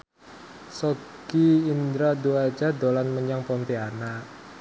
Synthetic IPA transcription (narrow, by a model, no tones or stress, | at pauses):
soɡ̥iːnd̪ɾad̪uat͡ʃad̪olanməɲaŋpɔnt̪ianaʔ